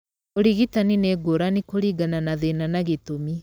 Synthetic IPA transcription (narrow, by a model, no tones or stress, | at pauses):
oɾiɣitanineɡoɾanikoɾiɡananaðenanaɣetomi